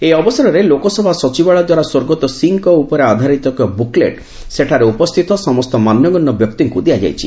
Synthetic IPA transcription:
eɔbɔsaɾɔɾelokɔsɔbʱasɔt͡ʃibaɭɔd̪waɾaswoɾɡɔt̪ɔsiŋkɔupɔɾead̪ʱaɾit̪ɔkjɔbuklḛʈ | seʈʰaɾeupɔst̪ʰit̪ɔsɔmɔst̪ɔmanjɔɡɔnːɔbjɔkt̪iŋkud̪ijad͡ʒa̰jt͡ʃʰi

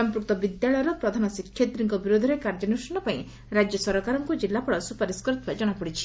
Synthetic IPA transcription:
ɔmpɾuk̚t̪ɔbid̪jaɭɔjɔɾɔpɾɔd̪ʱanɔsikʰːjet̪ɾiŋkɔbiɾod̪ʱɔɾekaɾd͡ʒɔnusɔnɔpaĩ | ɾad͡ʒjɔsɔɾɔkaɾɔŋkud͡ʒilːapɔɽɔsupaɾiskɔɾit̪ad͡ʒɔɽ̃apɔɽit͡ʃʰi̥

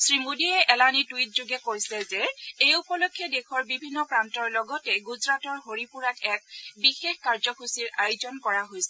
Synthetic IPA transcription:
sɹimudiɛʔɛlanituwit̚zuɡɛkojsɛzɛejupɔlokʰːjɔdexɔɹbibʱinːɔpɹantɔɹlɔɡɔtɛɡuzɹatɔɹɦoɹipuɹatʰɛk̚bixexkaɹzɔkusiɹʔajʊzɔnkɔɹaɦojsɛ

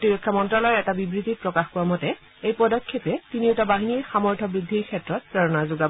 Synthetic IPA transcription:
tiɹikʰːamɔntɹɔlɔɹɛtabibɹitipɹɔkaxkuamɔtɛ | ejpɔdɔkʰːepɛtiniʊtabaɦiniɹxamɔɹtʰɔbɹidʱːiɹkʰɛtɹɔt̚pɹɛɹɔnazʊɡa

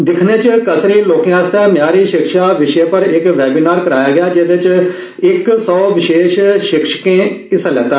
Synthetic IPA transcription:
d̪ɪkʰneːt͡ʃkəsɾiːloːkijãːst̪aːmjaːɾiːʃɪkʃaːʋɪʃeːpəɾɪkʋɛːbiːnaːɾkəɾaːjaːɡɪjaːd͡ʒeʋ̪et͡ʃ | ɪksɔːʋɪʃeːʃʃɪkʃə̥kẽːɪslɛːt̪aː

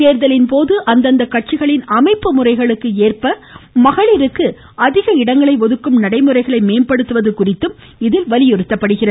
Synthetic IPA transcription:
eːɾðɐlɪnpoːðɯʔɐnd̪ɐnd̪ɐkɐʈ̚t͡ʃɪɣɐɭɪnɐmɐɪpːɯmʊrɐɪɣɐɭɯkːɯeːrpɐ | mɐɣɐɭɪɾɯkːɯ | ɐðɪɣɐɪɽɐŋɡɐɭɐɪʋɔðɯkːɯmnɐɽɐɪmɯrɐɪɣɐɭɐɪmeːnpɐɽɯt̪ːɯʋɐðɯkʊrɪt̪ːɯm | ɪðɪlʋɐlɪjɔɾɯt̪ːɐpːɐɽɯɣɪrɐ

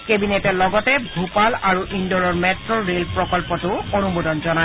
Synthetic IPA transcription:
kebinetɛlɔɡɔtɛbʱupalaɹuʔindɔɹɔɹmɛtɹɔɹelpɹɔkɔlpɔtʊonumodɔnzɔna

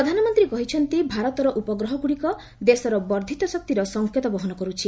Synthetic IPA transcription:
ɾɔd̪ʱanɔmɔnt̪ɾikɔɦit͡ʃʰɔnt̪ibʱaɾɔt̪ɔɾɔʔupɔɡɾɔɦɔɡuɽikɔ | d̪esɔɾɔbɔɾd̪ʱit̪ɔsɔk̚t̪iɾɔsɔŋkʰjɔt̪ɔbɔɦɔnɔkɔɾut͡ʃʰi

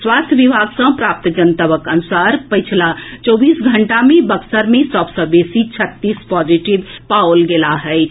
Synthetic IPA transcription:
swast̪ʰjəʋibʱaɡsə̃pɾap̚t̪d͡ʒənt̪əʋəkənusaɾpəɪt͡ʃʰlat͡ʃɔbisɡʱəɳʈamẽbəksəɾmesəbsə̃besit͡ʃʰət̪ːispɔd͡ʒiʈibpaolɡelaɦɛɪ

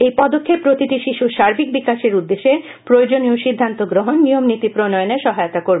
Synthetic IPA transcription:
ejpɔd̪okʰːepːɾot̪iʈiʃiʃuʃaɾbʱik̚bikaʃeɾud̪ːeʃe | pɾojod͡ʑonioʃid̪ʱːant̪oɡɾoɦonːijomnit̪ipɾonɔjoneʃɔɦajot̪akoɾbe

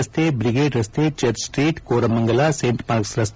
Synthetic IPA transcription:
st̪ʰeːbɾiɡeːɖɾɐst̪ʰeːt͡ʃɐɾsʈɾiːʈkoːɾɐmɐŋɡɐlaseːɳʈpaːɾksɾɐst̪

